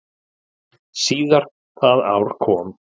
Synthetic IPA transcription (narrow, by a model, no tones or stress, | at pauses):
siːðaɾ̥ | θaða̰wɾ̥kʰɔːm